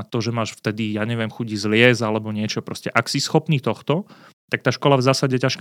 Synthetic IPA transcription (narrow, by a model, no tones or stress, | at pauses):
t̪ɔʒɛmaːʃft̪ɛd̪ijaɲɛʋɪɛmxuɟizlɪɛzalɛbɔɲɪɛt͡ʃɔpɾɔscɛʔaksisxɔpniːt̪ɔxt̪ɔ | t̪ak̚t̪aːʃkɔlavzaːsaɟɛcaʃk